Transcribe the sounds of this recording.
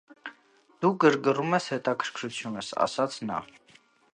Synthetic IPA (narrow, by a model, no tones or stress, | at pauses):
d̪̥uɡəɾɡərumɛshɛt̪ɑkʰəɾ̥kʰɾut͡sʰjunəsɑ̰sɑt͡sʰnɑ̰